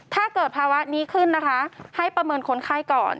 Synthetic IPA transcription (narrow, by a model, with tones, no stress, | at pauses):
t̪ʰaː˥˩kɤː˨˩t̪̚pʰaː˧wa˦˥niː˦˥kʰɯ˥˩nːa˦˥kʰa˦˥ha˥˩jpɾa˧mɤː˧nkʰo˧˥nkʰaː˦˥˩jkɔː˨˩n